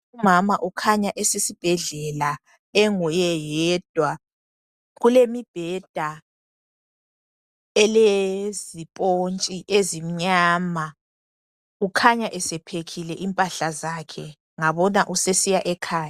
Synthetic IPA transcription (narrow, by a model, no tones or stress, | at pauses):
umamaʔukʰaɲaʔɛsesib̥ʱɛɮɛla | ɛŋɔjɛjɛd̥ʱwa | ɣulemib̥ʱɛd̥ʱa | ɛlezipʼont͡ʃʼiʔezim̩ɲaːma | ukʰaɲaʔɛsɛpʰekʰilɛʔimpʼaɬazaːkʰɛ̰ | ŋaβɔnaʔusesijaʔɛkʰaːja